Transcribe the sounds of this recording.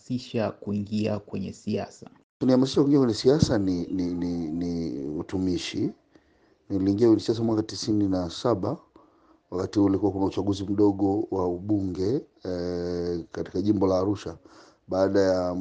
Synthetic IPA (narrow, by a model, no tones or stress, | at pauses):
siʃakuiŋɡiakwɛɲɛ̰siasa | tunihamasiʃakuiŋɡiakwɛɲɛsiasaninininiutumiʃi | niliːŋɡiakwɛɲɛsias̬amwakatisininasaɓa | wakatihulikuwakunaut͡ʃaɠuzim̩ɗɔɠɔwauɓuŋɡɛ | kati̥kaʄimbɔlaːɾuʃa | ɓaːɗaja